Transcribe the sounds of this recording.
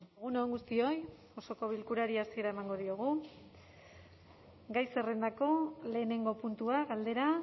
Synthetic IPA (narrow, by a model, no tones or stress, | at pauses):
eɣuno̞ŋɡust̪io̞j | o̞so̞ko̞β̞ilkuɾaɾiasie̞ɾae̞maŋɡo̞ðioɣ̞u | ɡajse̞re̞nd̪ako̞le̞ːne̞ŋɡo̞punt̪uaɣald̪e̞ɾa